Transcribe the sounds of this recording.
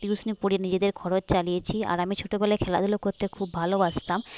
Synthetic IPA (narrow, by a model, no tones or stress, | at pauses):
ʈiusnipuɽinid͡ʑed̪eɾkʰɔɾot͡ɕt͡ɕalijet͡ɕʰia̰ɾamit͡ɕʰoʈobɛlekʰɛlad̪ulokoɾt̪ekʰubʱalobast̪am